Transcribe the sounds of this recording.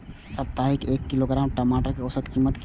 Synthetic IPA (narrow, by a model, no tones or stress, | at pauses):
sɐp̚t̪aːɦɪkeːkːɪloɡɾaːmʈɐmaːʈəɾkiɔsət̪kiːmːət̪k